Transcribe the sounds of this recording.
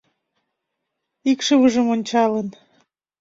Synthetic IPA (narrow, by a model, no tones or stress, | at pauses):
ikʃəβəʒə̆monʲt͡ɕɑlən